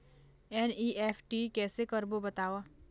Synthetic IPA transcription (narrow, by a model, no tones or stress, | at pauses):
ɛːniːʔɛːfʰʈikɛːsekəɾbobɐt̪aːʋaː